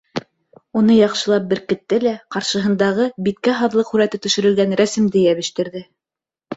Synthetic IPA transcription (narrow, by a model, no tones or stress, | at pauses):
unɤjɑqʃɤ̆lˠɑp̚bɘ̆ɾkɘ̆t̪ːɘlæqɑɾʃɤ̆ɦɤ̆nd̪ɑʁɤbit̪kæɦɑðlˠɤqhʉɾæt̪ɘt̪ɵ̆ʃɘ̆ɾɘ̆lɡænɾæsɘ̆md̪ɘjæβɘ̆ʃt̪ɘ̆ɾðɘ